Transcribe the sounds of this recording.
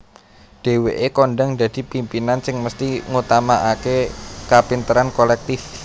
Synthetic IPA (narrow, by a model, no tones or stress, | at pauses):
ɖ̥e̤weʔekɔnɖəŋdad̪̥i̤pimpinansɪŋməst̪iŋut̪amaʔakekapint̪əɾankolɛk̚t̪ɪf